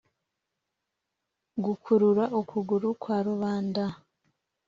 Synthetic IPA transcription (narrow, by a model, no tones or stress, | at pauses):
ɡukʰuɾuɾaʔokʰuɡuɾukwaːɾuβaːnda